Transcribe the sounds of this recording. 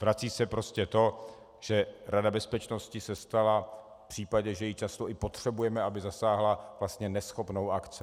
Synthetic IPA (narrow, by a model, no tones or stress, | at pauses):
vɾat͡siːsɛpɾo̞scɛt̪o̞ | ʒ̥ɛɾadabɛspɛt͡ʃno̞scɪsɛst̪alaffpr̥iːpaɟɛʒɛjɪt͡ʃast̪o̞ʔɪpo̞t̪r̝̥ɛbujɛmɛʔabɪzasaːɦlav̥last̪ɲɛnɛsxo̞pno̞wakt͡sɪ